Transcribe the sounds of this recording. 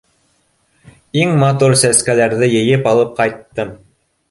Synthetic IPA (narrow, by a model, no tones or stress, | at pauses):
iŋmat̪uɾsæskælæɾðɘjɘ̆jɘpɑlˠɤp̚qɑjt̪ːɤm